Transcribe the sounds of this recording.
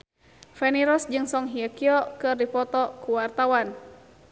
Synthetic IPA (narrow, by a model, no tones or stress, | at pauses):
fɛniɾɔsd͡ʒɨŋsɔŋɦiakiɔkɨrdipɔt̪ɔkuwart̪awan